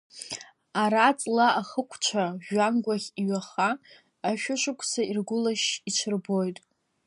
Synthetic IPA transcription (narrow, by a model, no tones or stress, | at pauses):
aɾat͡sʼlaaχəkʷʰt͡ʃʷʰaʒanɡʷaχʲiɥaχaː | ʃᶣʊʃʷʊkʷʰʼsairɡʷʊlaʃit͡ʃʷʰɨrbojtʼ